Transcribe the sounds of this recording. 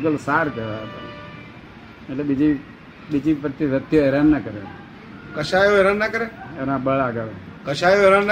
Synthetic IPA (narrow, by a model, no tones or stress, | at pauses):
ɡəlsaɾkəɾat̪a̰ | eʈlebid͡ʒi | bid͡ʒipəɾt̪iɾət̪ʰːjoeɾanːakəɾe | kəʃajoeɾanːakəɾeenãbəɭaɡəɾekəʃajoeɾanː